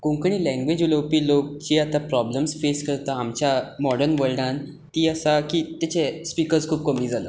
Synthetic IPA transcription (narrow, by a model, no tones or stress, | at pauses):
kõŋkəɳ̃iːlɛ̃ŋɡʋed͡ʑulowpiːlok̚t͡ɕiːat̪apɾɔbləmsfeskəɾt̪aamt͡ɕjamɔɽəɾnʋəɭɖãn | t̪iːəsakit̪at͡ɕespikəɾskʰuːb̚kəmiːd͡zalə̰ː